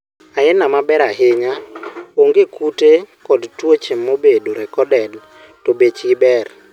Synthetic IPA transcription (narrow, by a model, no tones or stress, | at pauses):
aɛnamabɛɾaɦɪɲaoŋɡekutekɔdtwot͡ʃemːobedoɾɛkɔdɛd | tobet͡ʃɡɪbɛr